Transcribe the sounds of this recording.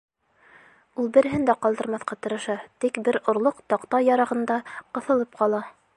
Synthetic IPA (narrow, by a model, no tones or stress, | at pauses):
ulˠbɘ̆ɾɘ̆ɦɘnd̪æqɑlˠd̪ɤ̆ɾmɑθqɑt̪ɤ̆ɾɤ̆ʃɑt̪ikbɘɾŏɾlˠoqt̪ɑqt̪ɑjɑɾɑʁɤ̆nd̪ɑqɤ̆θɤ̆lˠɤp̚qɑlˠɑ